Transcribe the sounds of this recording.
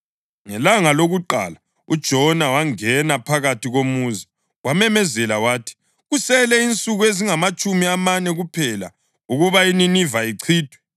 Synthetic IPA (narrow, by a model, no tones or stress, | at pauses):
ŋɛlaŋaloɣuǃa̰la | ud̥ʒ̥ʱɔnawaŋɛnapʰaɣatʰiɣomuzi | wamɛmɛzɛlawaːtʰi̥ | ɣusɛlɛint͡sʼuɣueziŋamat͡ʃʼumiamanɛɣupʰɛla̰ | uɣuβaininivaiǀʰiːd̥ʱwɛ